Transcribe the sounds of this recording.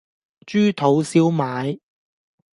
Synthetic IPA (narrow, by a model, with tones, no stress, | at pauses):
t͡ʃyː˥t̪ʰo˨˥wsiː˥wmaː˨˧j